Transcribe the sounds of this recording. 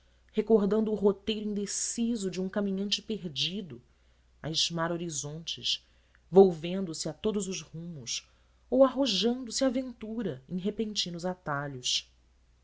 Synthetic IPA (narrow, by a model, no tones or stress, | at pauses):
hekoɦd̪ɐ̃nd̪ʊːɦot̪ejɾʊĩnd̪esizʊd͡ʒɪũŋkamĩɲɐ̃nt͡ʃɪ̥peɾd͡ʒid̪ʊ | a̰ɪzmaɾoɾizõnt͡ʃɪ̰ʃ | vowvẽnd̪ʊsɪat̪od̪ʊzʊzhũmʊs | owaɦoʒɐ̃nd̪ʊsɪavẽnt̪uɾɐẽj̃ɦepẽnt͡ʃĩnʊzat̪aʎʊs